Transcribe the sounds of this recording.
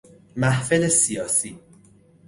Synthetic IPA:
mæhfelesijɒːsiː

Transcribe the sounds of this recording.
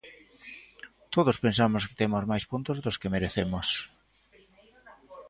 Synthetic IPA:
t̪oðospensamʊskɪ̥t̪emʊzmajspunt̪ʊzðʊskemeɾeθemʊs

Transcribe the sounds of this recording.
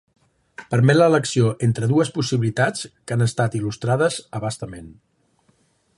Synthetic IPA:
pəɾmɛt̪lələksioʔent̪ɾəðuəspusiβilit̪at͡skanəst̪at̪ilust̪ɾaðəzəβast̪əmen

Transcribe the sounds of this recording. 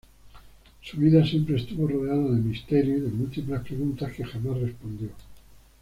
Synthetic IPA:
suβiðasje̞mpɾest̪uβo̞roð̞e̞aðaðemist̪e̞ɾjuðemult̪iplaspɾe̞ɣunt̪aske̞xamasre̞spo̞nd̪jo̞

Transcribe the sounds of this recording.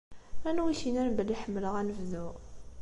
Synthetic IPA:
ænwiʃinæɾbəliħəmːləʁænəvðuʁ

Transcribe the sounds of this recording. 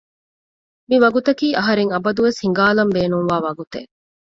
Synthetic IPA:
miʋɐɡut̪ɐkiːʔɐɦɐɾeŋɐbɐd̪uʋeshiŋ̆ɡaːlɐmbeːnuŋʋaːʋɐɡut̪e

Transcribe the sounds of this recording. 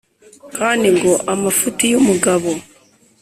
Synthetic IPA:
kandiŋɡoʔamafutijomuɡaβo

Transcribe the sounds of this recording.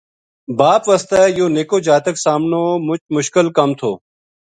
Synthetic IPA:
baːpʋəst̪ɛːjoːneːkoːd͡ʒaːt̪əksaːmnoːmʊt͡ʃmʊʃkɪlkəmt̪ʰoː

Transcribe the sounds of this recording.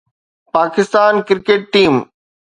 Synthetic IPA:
paːkɪst̪aːnkɪɾkeːʈːiːm

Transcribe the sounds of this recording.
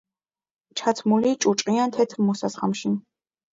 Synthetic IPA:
t͡ʃʰat̪ʰmulit͡ʃʼut͡ʃʼqʼiant̪ʰɛt̪ʰmɔsasχamʃin

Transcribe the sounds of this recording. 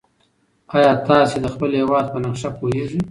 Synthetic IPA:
ɑjɑt̪ɑsed̪əxpəlhewɑd̪̚pənaqʃapʰoɦeʐi

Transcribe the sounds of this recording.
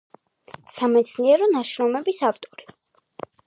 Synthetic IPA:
samɛt̪sʰniɛɾɔnaʃɾɔmɛbisavt̪ʼɔɾi

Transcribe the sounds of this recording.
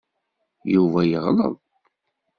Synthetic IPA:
juvæjəʁlə̰ðˤ

